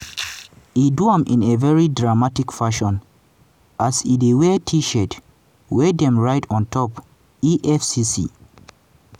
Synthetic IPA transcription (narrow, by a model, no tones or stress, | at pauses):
iduãmʔĩnevɛɹidɹamatikfaʃɔ̃n | ʔasidewɛtʰiʃɛt | wɛdɛ̃mɹaɪtʰɔ̃ntʰɔp | iʔɛfsisḭ